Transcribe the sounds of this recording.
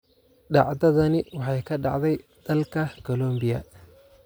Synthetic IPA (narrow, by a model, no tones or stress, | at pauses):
ɖɑ̰ʕdɐðɐnɪwɑħɑjkʰɐɖɑ̰ʕd̪ɛjd̪̥ɐlkʰɐkʰɔlɔmbɪjɐ̰